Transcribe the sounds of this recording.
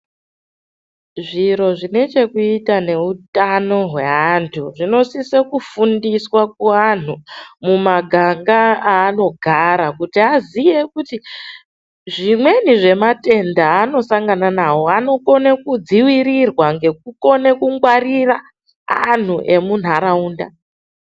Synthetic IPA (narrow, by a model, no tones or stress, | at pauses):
ʐiɾo̞ʐine̞t͡ʃe̞kuitane̞utano̞ɦwe̞antʰuʐino̞sisekufundiswakuan̤umumaɡʱaŋɡaaːno̞ɡʱaɾakutiazije̞kuti | ʐimwe̞niʐe̞mate̞ndaːno̞saŋɡananawo̞ano̞ko̞nekud͡ziwiɾirwaŋɡe̞k̚uko̞nekuŋɡwarira | a̰n̤uʔe̞mun̤aɾauːnda̰